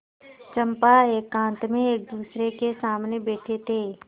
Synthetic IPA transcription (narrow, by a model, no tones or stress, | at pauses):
t͡ʃɐ̃mpaeːkːãːnt̪mẽeːk̚d̪uːsɾekesaːmnebeːʈʰet̪ʰeː